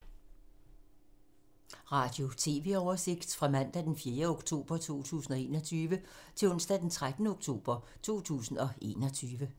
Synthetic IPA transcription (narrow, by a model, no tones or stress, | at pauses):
ʁɑ̈d̥jo̝t͡sʰe̝ːʋe̝̰ːɒʊɐse̝ɡ̥d̥fʁɑ̈mæn̰d̥æd̥enfje̝ːɐoɡ̥t͡sʰo̝̰ːb̥ɐt͡sʰo̝̰ːt͡sʰṵːsn̩ɒ̽e̝̰ːnɒt͡sʰyːʋət͡sʰe̝lɔ̽nsd̥æd̥ent͡sʰʁad̥nəoɡ̥t͡sʰo̝̰ːb̥ɐ | t͡sʰo̝̰ːt͡sʰṵːsn̩ɒ̽e̝̰ːnɒ̽t͡sʰyːʋə